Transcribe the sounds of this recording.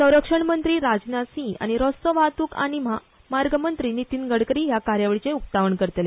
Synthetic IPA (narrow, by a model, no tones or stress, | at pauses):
sə̃w̃ɾəkʂəɳmənt̪ɾiːɾad͡znasĩa̰ɽ̃iɾɔst̪əʋat̪uːka̰ɽ̃im̤a | maɾɡəmənt̪ɾiːnit̪iːnɡəɽkəɾiːɦjakaɾjaʋəɭit͡seup̚t̪aʋəɳkəɾt̪le